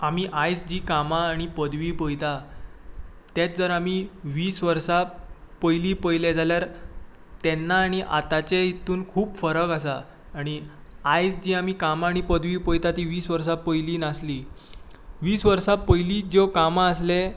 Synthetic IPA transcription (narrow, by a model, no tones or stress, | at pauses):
amiʔajd͡zd͡ʑiːkamaːɽ̃ipəd̪ʋiːpəjt̪a | t̪et̪̚d͡zəɾamiʋiːsʋəɾsapəjliːpəjled͡zaljaɾ | t̪enːaːɽ̃iʔa̰t̪at͡seit̪uːnkʰuːpfəɾəkasaː | ɽ̃iajd͡zd͡ʑiːamiːkamaːɽ̃ipəd̪ʋiːpəjt̪at̪iʋiːsʋəɾs̬apəjliːnasliː | ʋiːsʋəɾsapəjliːd͡zokamaəsle